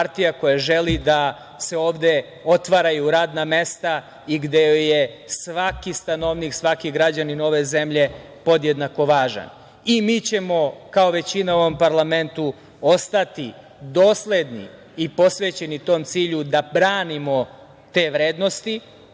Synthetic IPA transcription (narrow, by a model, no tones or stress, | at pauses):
paɾt̪ijako̞jaʒe̞lid̪a | se̞o̞ːʋd̪e̞ | o̞t̪ʋaɾajuɾaːd̪name̞st̪a | iɡd̪e̞jesʋakist̪anoʋniksʋakiɡɾad͡ʑanino̞ʋe̞ze̞mʎe̞ | po̞d̪jed̪nako̞ʋaːʒa̰n | imiːt͡ɕe̞mo̞kao̞ʋe̞t͡ɕinaoʋompaɾlˠame̞nt̪u | o̞st̪at̪i | d̪oːslˠe̞d̪nḭ | ipo̞sʋe̞ːt͡ɕe̞nit̪o̞ːmt̪siːʎud̪abɾaːnimo̞ | t̪e̞ːʋɾe̞ːd̪no̞st̪i